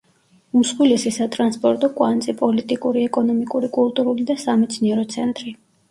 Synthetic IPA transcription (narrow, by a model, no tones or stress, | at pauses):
usχwilɛsisat̪ʼɾanspʼɔɾt̪ʼɔkʼwant̪sʼipʼɔlit̪ʼikʼuɾiɛkʼɔnɔmikʼuɾikʼulˠt̪ʼuɾulid̪asamɛt̪sʰniɛɾɔt̪sʰɛnt̪ʼɾi